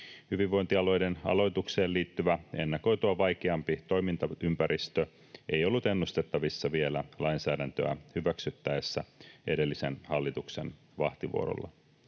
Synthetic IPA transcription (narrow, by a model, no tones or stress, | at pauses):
hyʋiʋːo̞jnt̪iɑlo̞jde̞nɑ̰lo̞jt̪ukse̞ːliːt̪ːyʋæe̞̰nːɑko̞jt̪uɑʋɑjkeɑmpit̪o̞jmint̪ɑympæɾʔist̪ø | ʔe̞jo̞lːut̪e̞nːust̪e̞t̪ːɑʋisːɑʋielælɑjnsæːdænt̪øæ̰hyʋæksyt̪ːæesːæʔe̞de̞lːise̞̰nhɑlːit̪ukse̞̰n | ʋɑht̪iʋṵo̰ɾo̰lːɑ̰